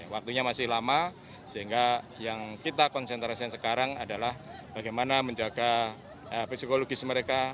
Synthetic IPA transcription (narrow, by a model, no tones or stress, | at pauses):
awak̚t̪uɲamasɪhlama | səɦiŋɡajaŋkit̪akɔnsɛnt̪ɾasiansəkaɾaŋadalahb̥aɡajmanaməɲd͡ʒaɡa | əfisikoloɡɪsməɾeka